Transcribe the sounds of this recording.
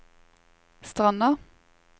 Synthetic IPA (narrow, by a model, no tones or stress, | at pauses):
st̪ʁɑnɑ